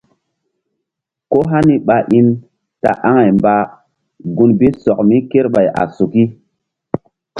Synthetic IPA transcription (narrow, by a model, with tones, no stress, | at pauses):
ko˦ɦa˦ni˦ɓa˨ʔi˦n | ta̰˨ʔa˦ŋa˨jmba˨ | ɡu˨nbe˦sɔ˨k̚mi˦ke˦ɾɓa˨jʔa̰˨su˨ki˦